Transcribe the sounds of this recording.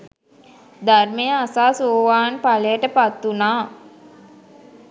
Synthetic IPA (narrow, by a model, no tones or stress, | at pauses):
d̪armejəasaːsoʋaːnpaləjəʈəpat̪ːunaː